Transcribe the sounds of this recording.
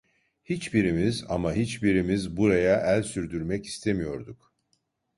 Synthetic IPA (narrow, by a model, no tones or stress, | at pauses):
hit͡ʃbiɾimiza̰maɦit͡ʃbiɾimizbuɾajaʔælʲsyɾd̪yɾmɛci̥st̪ʰemijo̞ɾd̪uk